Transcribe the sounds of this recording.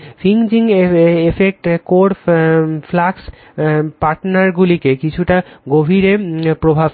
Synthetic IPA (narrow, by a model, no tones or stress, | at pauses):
fiŋd͡ʑiŋefek̚ʈkoɽ | flaks | paɾʈnaɾɡulikekit͡ɕʰuʈaɡobʱiɾepɾobʱab